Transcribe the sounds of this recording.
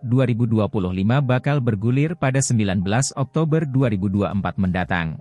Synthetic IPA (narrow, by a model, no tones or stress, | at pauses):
duaɾibuduapulʊhlimabakalbərɡulɪrpadasəmbilanbəlasɔk̚t̪obərduaɾibuduaʔəmpat̪̚məndat̪a̰ŋ